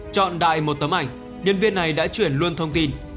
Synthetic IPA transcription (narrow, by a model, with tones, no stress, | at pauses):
t͡ɕɔ̰˧˨nɗa̰ː˧˨jmo˨˩t̚t̪ə˨˦mʔa˧˩jŋ̟ | ɲə˧nvi˧ənːa˨˩jɗa̰ː˧˥t͡ɕwi˧˩ənlu˧ənt̪ʰə˧wŋ͡mt̪i˧n